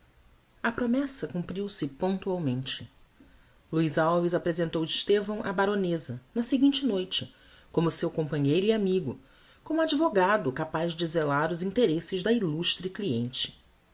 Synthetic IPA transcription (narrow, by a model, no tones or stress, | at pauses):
ɐpɾomɛsɐkũmpɾiwsɪpõnt̪uawmẽnt͡ʃɪ̥ | luizawvizapɾezẽnt̪owɪʃt̪evɐ̃w̃ʔɐbaɾonezɐnɐseɡĩnt͡ʃɪnojt͡ʃɪ | kõmʊsewkõmpɐ̃ɲejɾʊiamiɡʊ | kõmʊad͡ʒivoɡad̪ʊkapazd͡ʒizelaɾʊzĩnt̪eɾesɪʒd̪ɐiluʃt̪ɾikliẽnt͡ʃɪ̥